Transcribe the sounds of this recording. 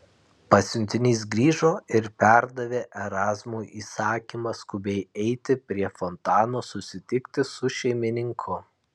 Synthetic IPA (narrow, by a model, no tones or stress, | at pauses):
pɐsʲʊnʲt̪ʲɪnʲiːs̬ɡɾʲiːʒoːɪɾpʲæˑɾd̪ɐʋʲeːʔɛɾɑːzmuːʔiːsɑːkʲimɐskʊbʲɛɪɛɪt̪ʲɪpʲɾʲiɛfɔnt̪ɑːnoːsʊsʲɪt̪ʲɪkt̪ʲɪsʊʃʲɛɪmʲɪnʲɪŋkʰʊ